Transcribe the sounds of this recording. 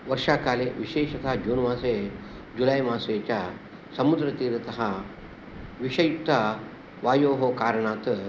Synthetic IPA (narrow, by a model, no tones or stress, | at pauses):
ʋɐɾʂaːkaːleʋiʃeːʃɐt̪aɦd͡ʒuːnʋaːse | d͡ʒulajmaːset͡ʃa | sɐmud̪ɾɐt̪iːɾɐt̪ɐɦa | ʋiʃɐjt̪a | ʋaːjoːɦokaːɾɐɳaːt̪